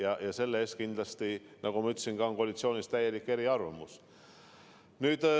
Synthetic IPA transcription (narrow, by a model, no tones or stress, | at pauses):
jɑjɑse̞lːeeːst̪kind̪lɑst̪i | nʔɑɡumɑyt̪ːˑsinɡ̥ɑo̞nkolʲit̪sioːnist̪æje̞likːe̞ɾiɑrvɑmus | nyːd̪